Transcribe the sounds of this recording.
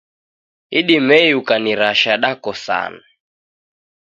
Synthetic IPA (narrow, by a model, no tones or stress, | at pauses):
iɗimɛjukaniɾaʃaɗakɔsa̰na